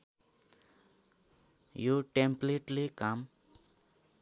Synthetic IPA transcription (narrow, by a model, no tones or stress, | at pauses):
joʈẽmpleʈlekam